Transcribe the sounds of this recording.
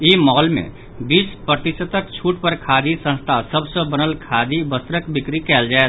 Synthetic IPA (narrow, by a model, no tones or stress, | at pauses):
imɔːlmḛ̃ | bispɾət̪isət̪əkt͡ʃʰuːʈpəɾkʰad̪isə̃nst̪ʰasəbsə̃bənəlkʰad̪ʱibəst̪ɾəkbɪkɾikɛːld͡ʒae